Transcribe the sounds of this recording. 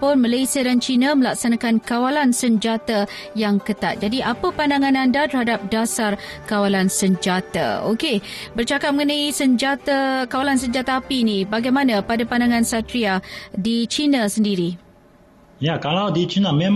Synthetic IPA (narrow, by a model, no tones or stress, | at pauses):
pʊnmalajsiadant͡ʃinaməlak̚sanakankawalansəɲd͡ʒat̪a | jaŋkət̪a̰t̪̚d͡ʒadiʔapəpandaŋãnandat̪ərhadap̚dasarkawalansəɲd͡ʒat̪a̰okebərt͡ʃakap̚məŋənaisəɲd͡ʒat̪akawalansəɲd͡ʒat̪aːpiːnibaɡajmanapadapandaŋansat̪ɾiadit͡ʃinasəndiɾi | jakalawdit͡ʃinamem